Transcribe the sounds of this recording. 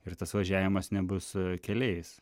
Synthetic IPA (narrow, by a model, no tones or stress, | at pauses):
ɪrt̪ɐsʋɐʒʲæːʋʲɪmɐsnʲɛbʊskʲɛlʲɛɪs